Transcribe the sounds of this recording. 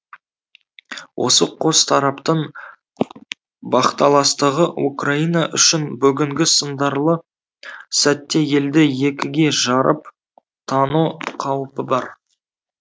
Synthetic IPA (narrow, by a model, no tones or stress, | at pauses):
wʔo̞̰səqʰo̞st̪ʰɑɾɑpt̪əɴ | bɑχt̪ɑlˠɑst̪əʁəukrainaʔʏʃɪnbʏɡʲɪŋɡʲɪsənd̪ɑɾlˠə | sæt̪ːe̞je̞ld̪ɪje̞kʲɪɡʲe̞ʒɑɾəp | t̪ʰɑnuqʰɑwəpəbɑɾ